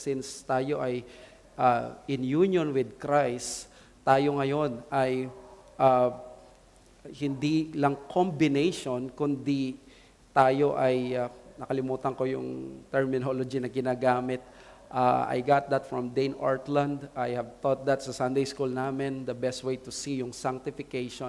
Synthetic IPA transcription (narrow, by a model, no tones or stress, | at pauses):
sɪnst̪aːjo̞ʔɐj | ʔaʔɪnjunjonwɪd̪̚kɹajs | t̪aːjoŋɐjo̞nʔaj | ʔa | hɪnd̪ilɐŋkʰombɪnejʃonkʊnd̪ɪ | t̪aːjoʔɐjanɐkɐlɪmuːt̪ɐŋko̞jʊ̰ŋt̪ɛɹmɪnolod͡ʒinɐɡɪnaːɡaːmɪt̪̚ | ʔaʔa̰jɡat̪̚d̪ɐt̪fɹɐmd̪ejnʔo̰ɹt̪lɐ̃nd̪ajhɐvt̪ot̪̚d̪ɐt̪sɐsãnd̪ejskulnaːmɛnd̪ɐbɛst̪̚wejt̪ʊsijʊŋsaŋk̚t̪ɪfɪkejʃon